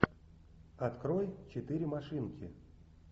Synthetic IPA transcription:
at̪kɾojt͡ɕɪt̪ɨɾʲɪmaʂɨnkʲʰɪ̰

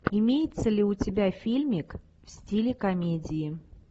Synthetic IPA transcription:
ɪmʲejɪt̪səlʲɪʊtʲɪbʲafʲilʲmʲɪk | fsʲtʲilʲɪkɐmʲedʲɪː

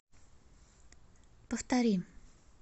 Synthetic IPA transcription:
pəft̪aɾim

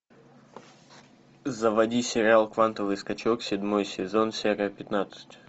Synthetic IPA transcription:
zəvɐdʲisʲɪɾʲɪalˠkvant̪əvɨjskɐt͡ɕoksʲɪdʲmojsʲɪzo̞nsʲeɾʲɪjəpʲɪt̪nat̪sɨ̥tʲ

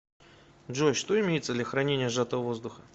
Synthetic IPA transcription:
dʐoʃʂt̪oɪmʲejɪt̪səd̪lʲaxɾɐnʲenʲɪjəʐat̪əvəvo̞zd̪ʊxə

